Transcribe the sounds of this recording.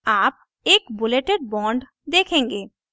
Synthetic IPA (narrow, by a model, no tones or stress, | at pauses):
ap̚ | ekbuleʈeɾbɔɳɖ | d̪ekʰeŋɡe